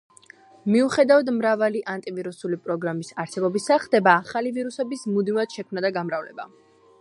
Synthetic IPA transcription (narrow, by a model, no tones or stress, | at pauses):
miuχɛd̪avad̪mɾavaliʔant̪ʼiviɾusulipʼɾɔɡɾamisaɾsɛbɔbisaχd̪ɛbaːχaliviɾusɛbismud̪miad̪̥ʃɛkʰmnad̪aɡamɾavlɛ̰ba̰